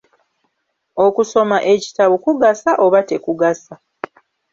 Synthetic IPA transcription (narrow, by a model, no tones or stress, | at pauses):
o̞kuso̞maʔe̞ci̥taβukuɡasaʔoβate̞kuɡasa